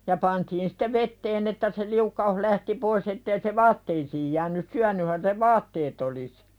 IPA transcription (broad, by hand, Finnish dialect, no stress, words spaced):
jɑ pɑntiːn si̥te ʋetːeːn etːæ se liukːɑuh læhti pois etːei se ʋɑːtːeisiːj jæːnˑys syænˑyhæn se ʋɑːtːeːt olis